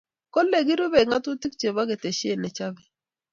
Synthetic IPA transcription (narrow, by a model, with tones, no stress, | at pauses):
kɔ˦lle˨ɡi˦ɾu˦be˨ŋa˦tʊ˦ti˦kt͡ʃe˨ba˦ɡe˨te˨ʃe˦˨nɛ˨t͡ʃa˦bi˨